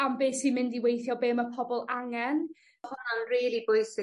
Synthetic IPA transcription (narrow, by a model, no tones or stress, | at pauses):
ambeːsimɪndiwejθjɔbeːməpʰɔbɔlˠaŋɛn | hʊnanriːɾibʊɨsɪ